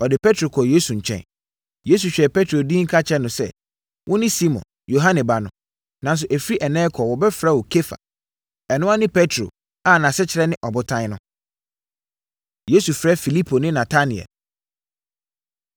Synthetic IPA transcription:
ɔ˨dɪ˨pʰɛ˦tʰɾo˨kʰɔ˨je˦su˨ɲ̩˨t͡ɕʰɛ̰̃˨n | je˦s̬u˨ɕᶣɛ˨pʰɛ˦tʰɾo˨dĩː˦ŋ̩˦kʰa˦t͡ɕʰɛ˦nʊ̃˨sɛ̰˦˨ | wʔʊ̃˦nɪ̃˦si˦mɔ̰̃˨n | jo˨ɦã˦nɛ̃˨ba˨nʊ̃˨ | nã˨˦n˦s̬ʊ˨ʔæ˨fɾi˦ʔɛ˨nɛ̃˦kʰɔ˨wɔ˨bɛ˦fɾa˦wɔ˨kʰe˦fa̰˨ | ɛ˨nʊ̃˦a˦nɪ̃˦pʰɛ˦tʰɾo̰˨ | a˦˨nã˨sɛ˦t͡ɕʰɪ˨ɾɛ˦nɪ̃˦ʔɔ˨bʊ˦tʰã˦nʊ̃˦ | je˦su˨fɾɛ˦fi˨li˦pʰo˨nɪ̃˦nã˨tʰa˦nɪ̃˨ɛ̰˨l

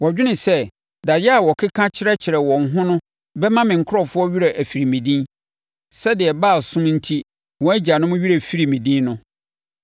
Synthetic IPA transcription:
wɔ˨d͡ʑᶣɪ˦nɪ̃˨sɛ˦ | da˨jɛ˦a˨wɔ˨kʰɪ˦kʰã˦t͡ɕʰɪ˦ɾɛ˦t͡ɕʰɪ˨ɾɛ˨wɔ̃˨ŋ̩˨ɦʊ̃˦nʊ̃˦ | bɛ˦mã˦mɪ̃˨ŋ̩˨kʰʊ˦ɾɔ˨fʊ˦ɔ˦ɥi˦ɾa˨ʔæ˨fi˨ɾi˨mĩ˨dĩ˦n | sɛ˦dɪ˨ɛ˨baː˦˨sʊ̃˦mn̩˦tʰi˦ | wɔ̃˨˦æ˦d͡ʑa˨nʊ̃˦m̃˦ɥi˦ɾæ˨fi˦ɾi˨mĩ˨dĩ˦nnʊ̃˦

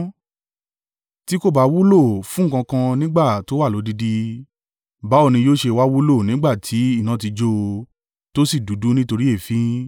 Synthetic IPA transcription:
ti˦ko˦˨ba˨˦wu˦lo˦˨fũ˦˨kã˧kã˧nĩ˦ɡ͡ba˦˨to˨˦wa˦˨o˨˦di˧di˧ | ba˨˦o˦˨nĩ˧joː˦ʃe˧wa˦wu˦lo˦˨nĩ˦ɡ͡ba˦˨tʰi˨˦i˦˨nã˦t̬i˧d͡ʒo˦˧ | to˦si˦˨du˨˦du˨˦nĩ˦to˧ɾi˦e˦˨fĩ˦

